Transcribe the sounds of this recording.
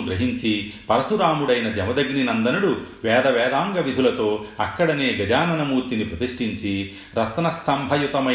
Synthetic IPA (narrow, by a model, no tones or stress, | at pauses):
uɡɾɐɦiɲt͡ʃipɐɾɐsuɾaːmuɽɐjnɐd͡ʒɐmɐd̪ɐɡɳinɐnd̪ɐnuɽuʋɛːd̪ɐʋɛːd̪aːŋɡɐʋid̪ʱulɐt̪o̞ːɐkːɐɽɐne̞ːɡɐd͡ʒaːnɐnɐmuːɾt̪inipɾɐt̪iʂʈiɲt͡ʃi | ɾɐt̪nɐst̪ʰɐmbʱɐjut̪ɐmɐ